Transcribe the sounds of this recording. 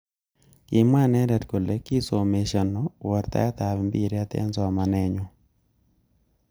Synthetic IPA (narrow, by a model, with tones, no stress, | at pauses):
ki˨mwa˦nɛ˦ɾɛ˨t̚ko˨le˦ki˦so˨me˨ʃa˨nɔ˦wɔ˨ɾt̪a̰˦a˦t̪a˨βɛ˨mbḭ˦˨ɾe˦a˦t̪ɛ̰˦nzɔ˨a˨ma˨nɛ˦ɲɔ˦